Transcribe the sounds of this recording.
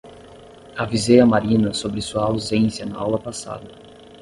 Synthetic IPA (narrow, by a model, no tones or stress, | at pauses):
avizejɐmaɾĩnɐsobɾɪsuɐawzẽnsiɐnɐawlɐpasa̰d̪ɐ